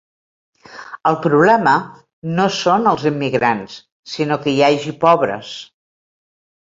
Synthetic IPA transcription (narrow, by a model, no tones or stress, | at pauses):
əlˠpɾuβlɛmə | nosonəlˠzimːiɣɾans | sinokəjaʒipɔβɾə̰s